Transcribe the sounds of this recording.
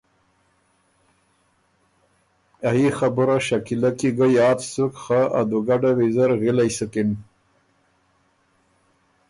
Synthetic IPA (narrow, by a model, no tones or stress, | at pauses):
aixabuɾaʃakilakiɡəjɑːt̪sukxaʔad̪uɡaɖawizaɾɣilajsəkin